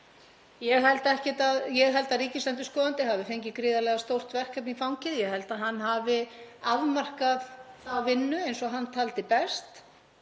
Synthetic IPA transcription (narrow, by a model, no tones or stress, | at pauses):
jɛɣɦɛlt̪ɛhcɛt̪aðjɛɣɦɛlt̪aðriːcɪslant̪ʏskɔːðant̪ɪɦavɪfejɲcɪkɾɪːðalɛɣast̪owr̥t̪vɛr̥kœpnifawŋcɪðjɛɣhɛlt̪aðɦanːɦaːvɪaðmar̥kaðavɪnːʏejnsɔɦanːt̪ʰaːlt̪ɪpɛst̪